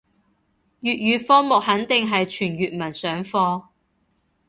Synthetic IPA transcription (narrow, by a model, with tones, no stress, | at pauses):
jyː˨t̚ɥyː˨˧fɔː˥mʊ˨k̚hɐ˨˥nt̪ɪ˨ŋɦɐ˨jt͡ʃʰyː˨˩nɥyː˨t̚mɐ˨˩nsœː˨˥ŋfɔː˧